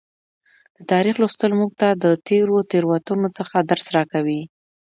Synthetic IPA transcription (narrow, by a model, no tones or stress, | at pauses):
d̪̥ət̪ɑɾixlust̪əlmuɡ̚t̪ad̪ət̪eɾot̪eɾwat̪unot͡səxad̪aɾsɾɑkawi